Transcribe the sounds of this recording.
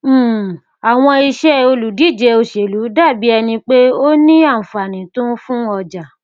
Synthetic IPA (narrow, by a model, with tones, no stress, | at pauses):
a˨w̃ɔ̃˧i˧ʃɛ˦o˧lu˨di˨˦˨d͡ʒɛ˨˧o˧˨ʃe˨lu˨˦da˦˨bi˨˦ɛ˧nĩ˧k͡pe˦o˦nĩ˦a˦˨fa˨nĩ˨to˦n̩˦fũ˦ɔ˧d͡ʒa˨